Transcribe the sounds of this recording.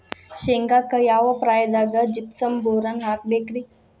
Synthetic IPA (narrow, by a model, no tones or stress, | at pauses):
ɕeŋɡakəjaʋəpɾajd̪aɡəd͡ʑipsəmboɾanɦak̚bekɾi